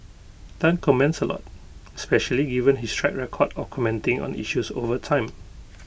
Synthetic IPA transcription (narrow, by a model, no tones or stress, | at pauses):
d̥ãnkʰɔmɛ̃nsəlʔɔ̰t̚ | ɛspɛʃəliɡivə̃nɦistʰɹɛ̰k̚ɹɛkʰɔdɔkʰɔmɛ̃ntɪ̃ŋɔ̰̃nḭʃuso̰vətʰãɪ̃m